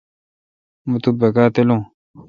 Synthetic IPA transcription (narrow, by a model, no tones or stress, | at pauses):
mut̪ubɐkaːt̪elõː